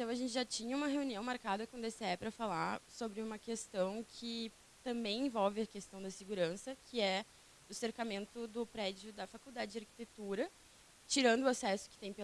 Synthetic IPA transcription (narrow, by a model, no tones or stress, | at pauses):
t̪ɐ̃w̃ɐʒẽnt͡ʃɪʒat͡ʃĩɲɐũmɐɦeuniɐ̃w̃maɾkad̪ɐkõd̪eseɛpɾɐfalaɾsobɾɪũmɐkest̪ɐ̃w̃kʰɪ | t̪ɐ̃mbẽj̃ẽvɔwvɪɐkest̪ɐ̃w̃d̪ɐsɪɡuɾɐ̃sɐkʰɪɛ | ʊseɾkamẽnt̪ʊd̪ʊpɾɛd͡ʒʊd̪ɐfakuwd̪ad͡ʒɪd͡ʒɪaɾki̥t̪et̪uɾɐ | t͡ʃiɾɐ̃nd̪ʊasɛsʊ̥kɪ̥t̪ẽj̃pe